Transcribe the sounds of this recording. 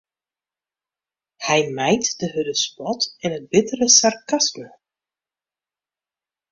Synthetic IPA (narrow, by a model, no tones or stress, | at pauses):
hɛjmɛjtdəɦødəspɔtɛnət̚bɪtərəsarkasmə